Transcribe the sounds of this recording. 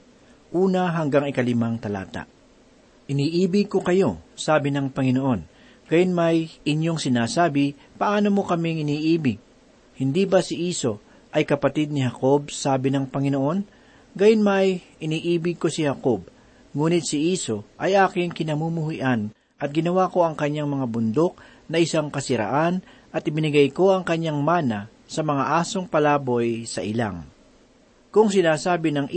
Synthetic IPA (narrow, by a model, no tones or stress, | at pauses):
ʔuːnɐɦɐŋɡaŋɪkɐlɪmaŋt̪ɐla̰ːt̪a̰ | ʔɪniːʔiːbɪɡ̚ko̞kɐjo̞saːbɪnɐŋpɐŋɪnoʔo̞n | ɡ̥ajʊnmɐjʔɪɲjo̞ŋsɪnaːsaːbɪ | pɐʔaːno̞mo̞kɐmɪŋʔɪniːʔiːbɪɡ̚ | hɪnd̪ibɐsɪʔiːso̞ | ʔɐjkɐpɐt̪ɪd̪̚nɪɦɐko̞b̚saːbɪnɐŋpɐŋɪnoʔo̞n | ɡajʊnmɐjʔɪniːʔiːbɪɡ̚ko̞sɪhɐkob̚ | ŋuːnɪt̪sɪʔiːso̞ʔɐjʔaːkɪŋkɪnɐmumʊhiʔan | ʔɐt̪̚ɡɪnɐwaːko̞ʔɐŋkɐɲːaŋmɐŋabʊnd̪o̞k̚ | nɐʔɪsaŋkɐsɪɾa̰ʔanʔɐt̪ʔɪbɪnɪɡɐjko̞ʔɐŋkɐɲːaŋmaːnɐ | sɐmɐŋaʔaːsoŋpɐlaːbo̞jsɐ̰ʔɪla̰ŋ | kʊŋsɪnaːsaːbɪnɐŋ